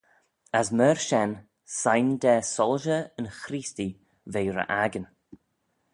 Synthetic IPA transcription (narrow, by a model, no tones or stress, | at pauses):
əsməɹʃɛn | sajnd̪ɛːsɔlʒəənxɾiːsti | vejɾə̰ʔaɡən